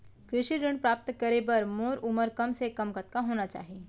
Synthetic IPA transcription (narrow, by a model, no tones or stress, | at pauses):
kɾɪʃiɾɪɳɖpɾaːp̚t̪kəɾebɐɾmoːɾuməɾkɐmsekɐmkət̪̚kaɦoːnat͡ʃa̰ːɦieː